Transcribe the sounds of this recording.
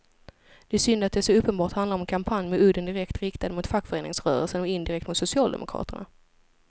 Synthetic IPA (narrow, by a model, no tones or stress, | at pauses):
d̪̥ɛæsʏnd̪at̪̚d̪ɛːʂɔɵpːənbɑːʈhand̪laɾɔmɛnkʰampʰanjmɛɵd̪ənd̪ɪɾɛkt̪ɾɪkt̪ad̪əmʊt̪fakːfœɾeːnɪŋsɾœ̰ːɾə̰lsənɔɪnd̪ɪɾɛkt̪mʊt̪sʊsɪɑːld̪ɛ̰mʊkʰɾɑ̰ːt̪əɳa̰